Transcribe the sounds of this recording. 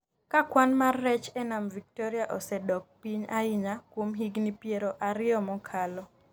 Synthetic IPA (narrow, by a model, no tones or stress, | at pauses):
kakwanmarːɛt͡ʃɛnamvik̚tɔɾiaʔɔsɛdɔk̚piɲaiɲakwomɦiɡnipjeɾoʔaɾɪɔmɔkʰalɔ